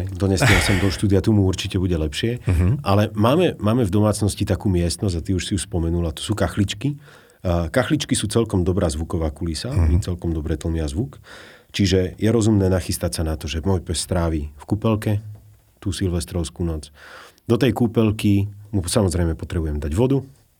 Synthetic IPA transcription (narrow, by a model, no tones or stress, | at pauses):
d̪ɔɲɛsasɔmd̪ɔʃt̪uːd̪ijat̪umuuɾt͡ʃicɛbuɟɛlɛpʃɪɛʔalɛmaːmɛmaːmɛvd̪ɔmaːt͡snɔscit̪akuːmɪɛst̪nɔz̬ʲɟat̪iuʃsiuʃspɔmɛnulat̪ɔ̥suːkaxlit͡ʃki | kaxlit͡ʃkisuːt͡sɛlkɔmd̪ɔbɾaːzʋukɔʋaːkulisamit͡sɛlkɔmd̪ɔbɾɛːt̪l̩miazʋukt͡ʃiʒɛjɛɾɔzumnɛːnaxist̪acsanat̪ɔʒɛmɔjpɛsːt̪ɾaːʋifkupɛlkɛ | t̪uːsilʋɛst̪ɾɔʊskuːnɔt͡sd̪ɔt̪ɛjkupɛlkimusamɔzɾɛjmɛpɔt̪ɾɛbujɛmd̪aɟʋɔd̪u